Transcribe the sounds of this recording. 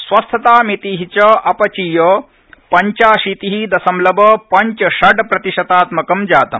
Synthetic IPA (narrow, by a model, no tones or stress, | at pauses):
sʋɐst̪ʰɐt̪aːmit̪iːɦit͡ʃɐɐpɐt͡ʃijɐ | pɐɲt͡ʃaːʃit̪iɦid̪ɐsɐmlɐbɐpɐɲt͡ʃɐʃɐɖpɾɐt̪iʃɐt̪aːt̪mɐkɐmd͡ʒaːt̪ɐ̰m